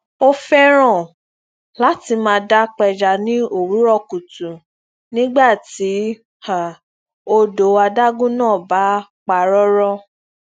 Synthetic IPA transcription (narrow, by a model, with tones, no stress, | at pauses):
o˦fɛ˦ɾ̃ã˦˨ | la˨˦ti˧mãː˧da˦k͡pɛ˧d͡ʒa˧˨nĩ˦o˦˨ɾu˨˦ɾɔ˦˨ku˨tũ˨ | nĩ˦ɡ͡ba˦˨ti˨˦ | ha˨ | o˧do˨˦a˧da˦ɡũ˦nãː˦˨ba˨˦k͡pa˨˧ɾɔ˦ɾɔ˦